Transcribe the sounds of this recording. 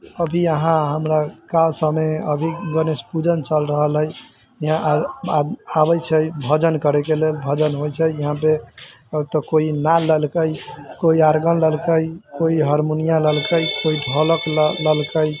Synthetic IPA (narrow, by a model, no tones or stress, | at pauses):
əbʱiəɦãɦəmɾakalsəmeəbʱiɡənespud͡ʒənt͡ʃəlɾəɦəlɦəj | iɦãʔ | abəjt͡ʃʰəjbʱəd͡ʒənkəɾɛkelelbʱəd͡ʒənɦojt͡ʃʰəiɦãpe | t̪ɔkoinaləlkəjkoiaɾɡənləlkəjkoiɦəɾmunijaləlkəjkoiɖʱɔləkləlkəj